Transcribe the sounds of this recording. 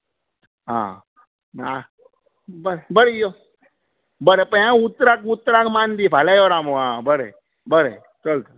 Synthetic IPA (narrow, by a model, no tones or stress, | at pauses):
ɦã̰ː | a | bəɾbəɾejo | bəɾepəjãut̪ːɾakut̪ːɾakmaːnd̪ipʰalajoɾaːmõɦãːbəɾḛ | bəɾḛ | t͡ʃəlt̪